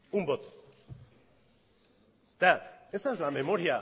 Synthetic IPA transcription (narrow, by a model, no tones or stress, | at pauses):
umbot̪ | t̪aesazlame̞mo̞ɾia